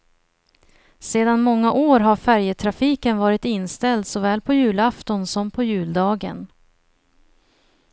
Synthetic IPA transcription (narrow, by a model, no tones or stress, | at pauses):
seːd̪anmɔŋːaʔoːɾɦaɾfæɾjət̪ʰɾafiːkənvɑːɾɪt̪ɪnːst̪ɛld̪sɔvɛːlpʰɔjʉ̟ːlaft̪ɔnsɔmpʰɔjʉ̟ːld̪ɑːɡə̰n